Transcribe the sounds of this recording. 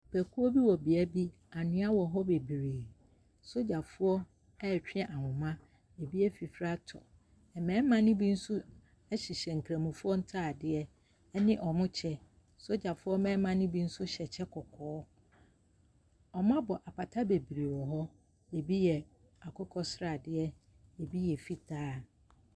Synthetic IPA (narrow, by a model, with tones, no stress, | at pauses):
pʰæ˨kʰu˦o˦bi˦wɔ˨bi˨ɛ˦bi˦ | a˨nɪ̃˦a˦wɔ˨ɦɔ˦be˨bi˨ɾiː˨ | so˦d͡ʑa˨fʊ˦ɔ˦ | ɛ˦˨t͡ɕᶣɪ˦ɛ̃˨ʔa˨hʊ̃˨mã˦ | e˨bi˦ɛ˦fi˨fɾa˦tʰɔ̰˨ | ɛ˨mɛ̃˨˦mã˨nʊ̃˦bi˦n̩˦sʊ˦ | ɛ˦ɕi˨ɕɛ˨ŋ̩˨kʰɾæ̃˨mũ˨fu˦ɔ˦n̩˦tʰa˦˨dɪ˦ɛ˦ | nɪ̃˦ʔɔ˨mʊ̃˦t͡ɕʰɛ˦ | so˦d͡ʑa˨fʊ˦ɔ˦mɛ̃ː˦mã˦nʊ̃˦bi˦n̩˦sʊ˦ɕɛ˨t͡ɕʰɛ˦kʰɔ˨kʰɔː˨˦ | ɔ˨mã˦bɔ˨ʔa˨pʰa˨tʰa˦be˨bi˨ɾi˨wɔ˨ɦɔ˦ | e˨bi˦jɛ˨ | a˨kʰɔ˦kʰɔ˦sɾa˨dɪ˦ɛ˦ | e˨bi˦jɛ˨fi˦tʰaː˦